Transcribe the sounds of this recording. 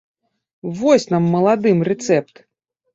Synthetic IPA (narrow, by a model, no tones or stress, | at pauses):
vɔsʲnamːɐlˠad̪ɨmrɛt̪sɛp̚t̪